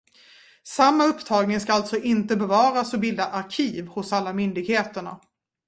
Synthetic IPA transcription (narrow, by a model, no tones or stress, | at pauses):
samːaɵpːt̪ʰɑːɡnɪŋskaalt̪sɔʔɪnt̪əbɛvɑːɾasɔbɪld̪aʔaɾkʰiːvhʊsalːamʏnd̪ɪɡheːt̪əɳa̰